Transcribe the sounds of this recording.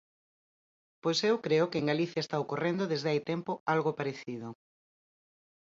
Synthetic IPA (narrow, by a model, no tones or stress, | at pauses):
pojsewkɾeʊkɪeŋɡaliθjaest̪aokorẽnd̪oðezðeajt̪empoalɣopaɾeθið̞ʊ